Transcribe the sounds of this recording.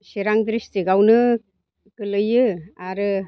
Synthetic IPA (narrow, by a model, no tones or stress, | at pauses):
siɾaŋd̪ɾistiɡawnɯ | kɯlɯjɯaɾɯ